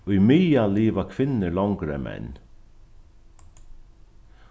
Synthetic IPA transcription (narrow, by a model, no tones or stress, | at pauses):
ʊjmijaliːvakʰvɪnːɪlawŋkɾɛ̰mɛ̰n